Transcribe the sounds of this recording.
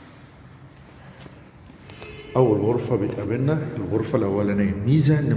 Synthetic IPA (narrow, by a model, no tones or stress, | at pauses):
ʔawːalɣʊɾfabɪt̪abɪnːaɪlɣʊɾfalawalanamiːzanɪ